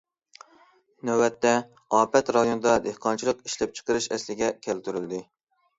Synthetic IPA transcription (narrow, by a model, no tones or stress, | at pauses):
næwɛt̪ːɛ | ɑːpɛt̪ɾɑd̪jonɨd̪ɑd̪ehqʰɑnt͡ʃʰilˠəqi̥ʃlɛp̚t͡ʃʰə̥qəɾɨʃɛslɪɡʲɛkʲʰælt̪yɾyld̪ɪ